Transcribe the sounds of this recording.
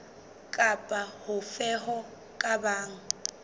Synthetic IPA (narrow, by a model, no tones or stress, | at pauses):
kʼapʼahʊfɛhɔ | kʼabaːŋ̩